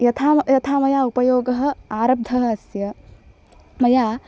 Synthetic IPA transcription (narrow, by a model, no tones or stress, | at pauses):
jɐt̪ʰaːjɐt̪ʰaːmɐjaːupɐjoːɡɐɦɐ̆aːɾɐb̚d̪ʱɐɦɐ̆ɐsjɐ | mɐjaː